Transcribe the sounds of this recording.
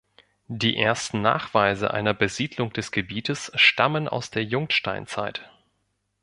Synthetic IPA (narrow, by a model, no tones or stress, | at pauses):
d̥iːʔeːɐstn̩na̰ːχv̥aɪzə̰ʔa̰ɪnɐbəziːdlʊŋd̥ɛsɡ̥əbiːtʰəsʃtaməna̰ʊsd̥eːɐjʊŋtʃta̰ɪnt͡sa̰ɪt